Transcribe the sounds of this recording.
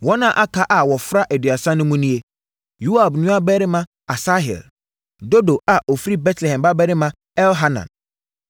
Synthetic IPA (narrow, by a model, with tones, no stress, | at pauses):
wɔ˦nã˦ʔa˦kʰa˦ʔa˨wɔ˨fɾa˦ʔɛ˨dɥa˨sã˦nʊ̃˦mũ˦nĩ˦e˦ | ju˦a˨bnʊ̃˦a˦bɛ˦ɾɪ˦mã˦ | a˨sa˦ɦɛ̰˨l | do˦do˨a˨ʔo˨fi˦ɾi˦bɛ˦tʰlɛ˨hɛ̃˨mba˦bɛ˦ɾɪ˦mã˦ | ɛ˦lɦa˦nã̰˨n